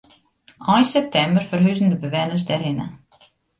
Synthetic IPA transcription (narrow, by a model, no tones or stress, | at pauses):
ɔjnsɛp̚tʰɛmbərfərɦyzən̩dəbəʋɛnəs̬dɛrɪnə̰